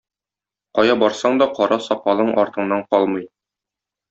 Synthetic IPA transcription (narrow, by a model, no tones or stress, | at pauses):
qɒjɑbɒɾsɑɴd̪ɒqɒɾɑsɒqɑlˠɤɴʔɒɾt̪ɤ̆ɴnːɑɴqɒlˠmɤj